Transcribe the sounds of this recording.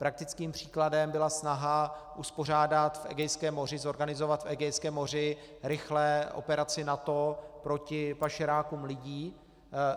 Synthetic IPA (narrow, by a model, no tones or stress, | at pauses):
pɾak̚t̪ɪt͡skiːmpr̝̥i̥ːkladɛmbɪlasnaɦaʔuspor̝aːdat̪fʔɛ̰ɡɛjskɛːmːo̞rɪzo̞ɾɡanɪzo̞vat̪fɛɡɛjskɛːmːo̞r̝ɪ | ɾɪxlɛʔo̰pɛɾat͡sɪnat̪o̞pɾo̞cɪpaʃɛɾaːkuːmlɪɟiː